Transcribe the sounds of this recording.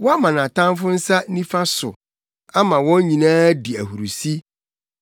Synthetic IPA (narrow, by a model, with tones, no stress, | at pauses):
wɔ˦a˦mã˨nã˨tʰã˦m˦fʊ˦n̩˦sa˦nĩ˦fã˦sʊ̰˨ | a˦mã˨wɔ̃˦n˦ɲĩ˨nãː˦di˨æ˨hu˨ɾu˨si˦